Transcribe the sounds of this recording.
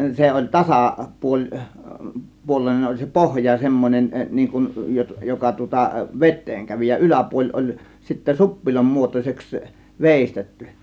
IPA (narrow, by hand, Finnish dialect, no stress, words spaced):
se olʲ tɑsɑˑ puolʲ puolˑeˑĭnen olʲ se pohjɑ semːonʲen niːŋ kun jo jokɑ tŭŏtɑ ʋetˑeːŋ kæʋi jɑ ylæpuolʲ olʲ sitːæ supːilom muotosʲeks ʋeˑistetːy